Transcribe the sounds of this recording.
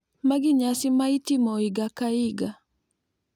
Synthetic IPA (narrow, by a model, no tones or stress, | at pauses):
maɡiɲasimaitimɔiɡakaiɡa